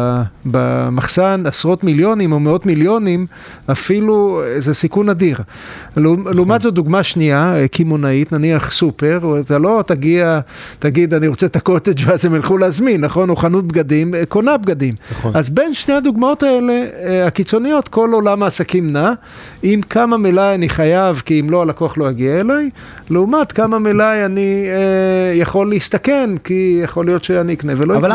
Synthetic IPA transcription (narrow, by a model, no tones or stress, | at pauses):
ba̰maχsanasʁo̞t̪miljo̞nimomeo̞t̪miljo̞nim | afiluzesikunad̪iʁ | lleumatzoduɡmaʃniakimonait̪naniaχsupe̞ʁat̪alo̞t̪aɡiat̪aɡid̪aniʁo̞t͡set̪ako̞t̪ed͡ʒveazemilχuleazminːaχo̞noχanut̪̚bɡad̪imkonabɡad̪imazbe̞nʃne̞jhad̪uɡmao̞t̪ae̞le̞akit͡so̞nijo̞t̪ko̞lo̞lamaːsakimna | imkʰamamelajaniχajavkiimlo̞alakoaχlo̞jaɡiaelaj | leumat̪kamamelajani | jaχo̞lːeist̪akenkijaχo̞lijot̪ʃeaniikne̞velo